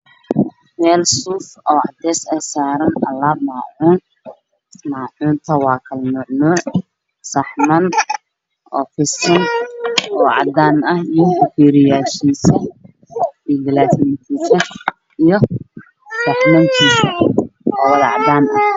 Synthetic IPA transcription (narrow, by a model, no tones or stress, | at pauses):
mɛːlsuːfɔːʕɑ̰d̪ɛːsɛjsaːɾɐnʔɐlːaːb̚maːʕuːn | maːʕuːnt̪ʰɐwɑːkʰɐlnʊʕnuːʕ | sɐħmɐn | ʔɔ̰ːfɪsɐnʔɔːʕɑ̰d̪aːnɐhijɔhʊfiːɾɪjaːʃiːsɛ | iɡɪlaːsnink̪ʰiːsɐ | ijɞ | sɐħmɐŋk̪ʰiːsɐɔwɐðɐʕɑ̰d̪aːnɐh